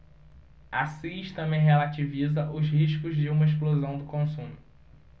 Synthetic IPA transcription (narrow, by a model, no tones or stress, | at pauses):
asĩʃt̪ɐ̃mẽɦelat͡ʃivizɐʔʊzɦiʃkʊzd͡ʒɪũmɐeʃ̬plozɐ̃w̃d̪ʊkõsũmʊ